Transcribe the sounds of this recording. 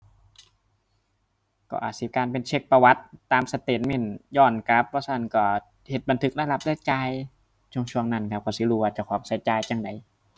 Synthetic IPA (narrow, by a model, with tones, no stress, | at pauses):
kɔ̰ː˧˩ʔaː˨˩t̪̚si˧˦kaː˧npe˧nt͡ɕʰe˧˩k̚pa˧wa˦˥t̪ːaː˧msa˧t̪e˨˩t̪̚me˧˩˨njɔː˧˩nka˦˥pʰːɔː˦˥saː˧˩nkɔː˧˩ | he˨˩t̪̚ba˧nt̪ʰɯ˧˦˥k̚la˧˥˨la˧˥p̚lɛː˧˩t͡ɕaː˧j | t͡ɕʰu˧˨ŋt͡ɕʰu˧əŋna˧˩nkʰa˧˦p̚kʰɔː˧˩si˧˦luː˧waː˧˩t͡ɕa˨˧˩kʰɔː˨˦p̚sa˧˦jt͡ɕaː˧jt͡ɕaː˧˩ŋda˨˩j